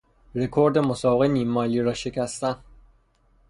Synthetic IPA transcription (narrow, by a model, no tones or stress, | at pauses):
ɾe̞kʰoɾd̪emosɒːbeɣeniːmːɒːliːɾɒːʃe̞cʰæst̪æn